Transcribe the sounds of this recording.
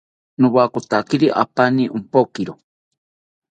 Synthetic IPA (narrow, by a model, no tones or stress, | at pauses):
nuβakot̪akiɾiʔa̰paniʔumpokiɾo